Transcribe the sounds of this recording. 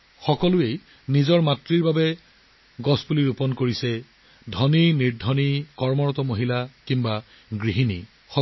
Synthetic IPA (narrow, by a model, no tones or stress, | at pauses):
xɔkɔlʊej | nizɔɹmatɹiɹbabɛ | ɡɔspuliɹupɔnkoɹisɛ | dʱɔniniɹdʱɔnikɔɹmɔɹɔtɔmoɦilakimba | ɡɹiɦinḭ | xɔ